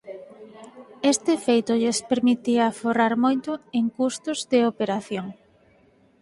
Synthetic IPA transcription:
est̪ɪfejt̪ʊʎespeɾmit̪iɐforaɾmojt̪ʊeŋkust̪ʊzd̪eopeɾaθjoŋ

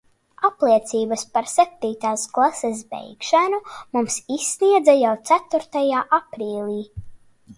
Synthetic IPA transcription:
aplˠiɛt̪siːbaspaɾsɛp̚t̪iːt̪aːsklˠases̬bɛ̰jkʃanumumsisːniɛd̪zajawt̪sæt̪uɾt̪ajaːʔapɾiːlʲiː

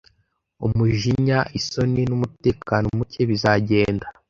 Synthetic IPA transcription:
umuʒiɲaʔiso̞ninumute̞ːkanomuceβizaɟe̞ːnda

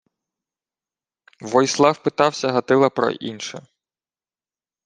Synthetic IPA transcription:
ʋɔjslˠɑwpɪt̪ɑwsʲɐɦɐt̪ɪlˠɐpɾɔ̰ʔḭnʃɛ̰

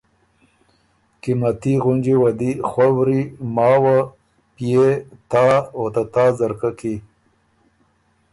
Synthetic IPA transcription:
kimat̪iɣunʲd͡ʒiwad̪ixwawɾimɑːwa | pijet̪aot̪at̪aːzaɾkaki

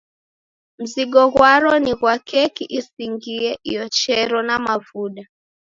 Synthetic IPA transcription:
m̩ziɠɔɣwaɾɔniɣwakɛkiʔisiŋɡiɛʔijɔt͡ʃɛɾɔnamavuɗa

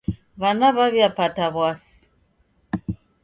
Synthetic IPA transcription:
βanaβaβjapataβwasi̥

